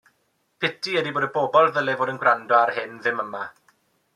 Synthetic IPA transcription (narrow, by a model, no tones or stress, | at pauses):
pʰɪtʰiɛdiboːdəboːbɔlˠðəlɛvoːdənɡwrɾandɔarhɪnðɪməma